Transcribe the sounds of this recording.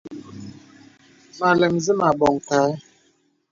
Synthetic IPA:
ma˨lɛ˨mzi˦ma˨bɔ˨ŋ˨ka˨˦

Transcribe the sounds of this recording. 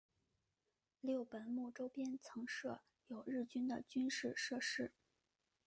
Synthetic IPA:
ljo˥˩ʊpə˨˩nmu˥˩ʈ͡ʂo˥ʊpjɛ˥nt͡sʰɤ˧˥ŋʂɤ˥˩ | jo˨˩ʊɻɻ̩˥˩t͡ɕy˥nd̪ə˨t͡ɕy˥nʂɻ̩˥˧ʂɤ˥˧ʂɻ̩˥

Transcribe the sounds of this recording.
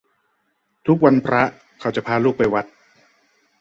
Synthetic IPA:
t̪ʰu˦˥k̚wa˧npʰɾa˦˥ | kʰa˧˩t͡ɕa˨˩pʰaː˧luː˥˩k̚pa˧jwa˦˥t̪̚

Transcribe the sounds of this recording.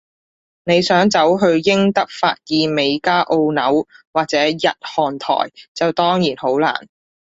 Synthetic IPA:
ne˨˧jsœː˨˥ŋt͡sɐ˨˥wɦɵ˧ɥjɪ˥ŋt̪ɐ˥k̚faː˧t̚jiː˨˧me˨˧jkaː˥ʔo˧wnɐ˨˥wwaː˨k̚t͡sɛː˨˥jɐ˨t̚hɔː˨˩nt̪ʰɔ̰ː˨˩jt͡sɐ˨wt̪ɔː˥ŋjiː˨˩nho˨˥wla̰ː˨˩n

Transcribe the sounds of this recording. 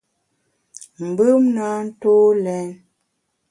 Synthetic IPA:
m̩˨bɯ˦mna˨˦n̩˦toː˦lɛ˨˦n

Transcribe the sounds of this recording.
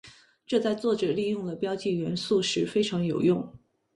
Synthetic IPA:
ʈ͡ʂɤ˥˧t͡sa˥˧ɪt͡swɔ˥˩ʈ͡ʂɤ˨˩li˥˧jʊ˥˩ŋd̪ə˩pjɑ˥ʊt͡ɕi˥˩ɥɛ˧˥nsu˥˩ʂɻ̩˧˥fe˥ɪʈ͡ʂʰɑ˧˥ŋjo˨˩ʊjʊ˥˩ŋ

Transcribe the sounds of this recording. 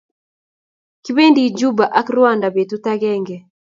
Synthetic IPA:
ki˦be˦ndi˦d͡ʒu˦ba˨ʔa˦kɾwa˦˨nda˨be˨tu˦ta˦ɡɛ˦ŋɡɛ˨

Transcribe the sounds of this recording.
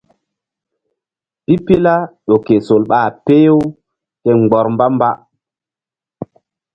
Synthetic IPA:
pi˦pi˦la˦ɗo˨ke˨so˨lɓaː˦˨pe˦jo˦w | ke˦ŋ͡mɡ͡bɔ˨ɾmba˦mba˦

